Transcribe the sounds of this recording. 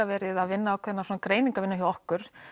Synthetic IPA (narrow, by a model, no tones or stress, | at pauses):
avɛːɾɪðaðvɪnːaːwkʰvɛt̪nasɔːnakɾeːjniŋkavɪnːaçjawɔhkʏɾ̥